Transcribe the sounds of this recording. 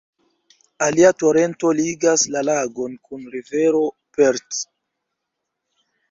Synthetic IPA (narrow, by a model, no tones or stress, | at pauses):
aliato̞ɾe̞nto̞liɡaslalaɡo̞nkunɾive̞ɾo̞ | peɾt